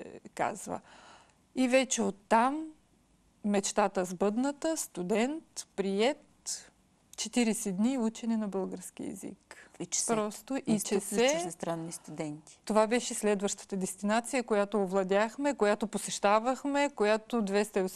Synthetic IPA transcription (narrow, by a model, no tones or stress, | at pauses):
ka̰zvə̰ | ivɛt͡ʃɛot̪ːamː | ɛt͡ʃt̪at̪əzbɤd̪nət̪əst̪ud̪ɛnt̪pɾiɛt̪̚ | t͡ʃɛt̪iɾɛsɛd̪niut͡ʃɛnɛnɐbɤlˠɡəɾsk̟ʲḭɛ̰zḭkɛt͡ʃpɾɔst̪oʔit͡ʃɛsɛst̪ɾanːist̪ud̪ɛnt̪i̥t̪ovabɛʃɛslɛd̪vɐʃt̪ə̥t̪əd̪ɛst̪inat̪sijəkojat̪oːvlˠɐd̪ʲaxmɛkojat̪oposɛʃt̪avɐxmɛkojat̪od̪vɛst̪ɐos